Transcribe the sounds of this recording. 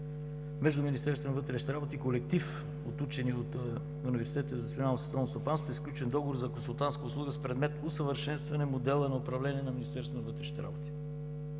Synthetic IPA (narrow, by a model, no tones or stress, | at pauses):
mɛʒd̪uminist̪ɛɾst̪vonɐvət̪ɾɛʃit̪ɛɾabot̪iːkolɛk̚t̪if | ot̪ut͡ʃɛniot̪ | univɛɾsi̥t̪ɛt̪zt̪ʲionalnosɛt̪alˠnost̪opanst̪voisklʲut͡ʃɛnd̪ɔɡovoɾzɐkonsulˠt̪anskəʊslˠuɡəspɾɛd̪mɛt̪ʊsəvəɾʃɛnst̪vɐnɛmod̪ɛlˠənɐʊpɾɐvlɛniɛnɐminʲist̪ɛɾsonɐvət̪ɾɛʃni̥t̪ɛɾa̰bot̪i̥